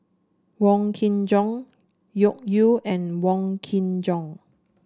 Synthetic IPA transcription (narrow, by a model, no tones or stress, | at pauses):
wɔ̃ŋkʰĩnd͡ʒɔ̃ŋ | jɔk̚juʔɛ̃nwɔ̃ŋkʰĩnd͡ʒɔ̃ŋ